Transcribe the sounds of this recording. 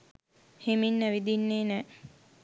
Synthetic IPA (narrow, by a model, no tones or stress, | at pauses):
heminːæʋid̪inːeːnɛː